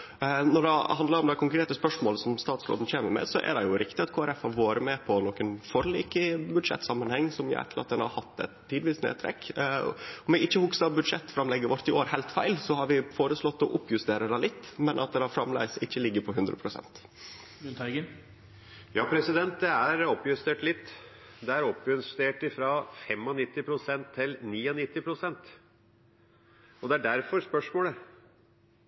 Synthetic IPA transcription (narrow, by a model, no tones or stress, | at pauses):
nɔɖɛhɑnd̪ləɾɔmd̪æɪkʰʊŋkɾeːt̪əspœʂmoːləsɔmst̪ɑːt̪slo̰ːd̪nçeːməɾmɛ̰sɔʔæ̰d̪ɛjʊɾɪkt̪ɪɑt̪kʰoːæɾɛfhɑɾʋoːɾəmɛpʰɔnokːənfɔɾlḭːkɪbʉd̪ʂɛ̰t̪ːsɑmːənhɛŋːsɔmjʊ̰ɛ̰t̪ʰːəlɾɑt̪̚d̪ɛnhɑ̰ɾhɑt̪ːɛ̰t̪ʰːiːd̪ʋiːsnḛːd̪t̪ʰɾɛ̰kː | ɔmɪɪçːəhʊksɑbʉd̪ʂɛt̪ːfɾɑmlɛɡəɾʋɔɾt̪ɪoːɾhæɪlt̪fæɪlsɔhɑɾʋɪfoːɾəslɔt̪ːɔʔʊpːjʉst̪eːɾəd̪ɛlɪt̪ːmɛnʔɑt̪̚d̪ɛhɑɾfɾɑmlæ̰ɪsɪçːəlɪɡːəɾpʰɔɦʉnd̪ɾə̰pʰɾʊsɛ̰nt̪ | ʉnt̪ʰːɡə | jɑːpʰɾɛsɪd̪ɛnt̪̚d̪ɛæɾɔpːjʉst̪eːʈlɪt̪ː | d̪ɛæɾɔpːʉnst̪eːʈɪfɾɑfɛmɔnɪt̪ːɪpʰɾʊsɛnt̪ʰːɪlniːɔnɪt̪ːɪpʰɾʊsɛnt̪ | ɔd̪ɛæɖæɾfɔɾspœʂmoːlə